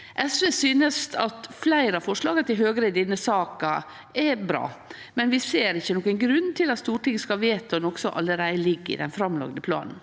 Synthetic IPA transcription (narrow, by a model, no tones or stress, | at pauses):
ʔɛsʋeːsyːnəst̪ɑt̪flæɪɾɑfɔʂlɑːɡɑt̪ɪlɦøːɡəɾəɪd̪ɪnːəsɑːkɑ | ɛbɾɑ̰ː | mɛnʋɪseːɾɪçːənɔkənɡɾʉnːt̪ʰɪlɑt̪st̪uːʈɪŋskɑʋeːt̪ɔnɔksɔʔɑ̰lːəɾæɪəlɪɡːɪ̰d̪ɛ̰nfɾɑmlɑ̰ɡd̪əpʰlɑ̰ːnn̩